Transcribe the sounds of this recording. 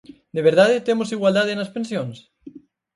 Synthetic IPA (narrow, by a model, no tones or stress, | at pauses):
d̪eβeɾðaðet̪emosiɣwald̪að̞enɐspẽnsjoŋs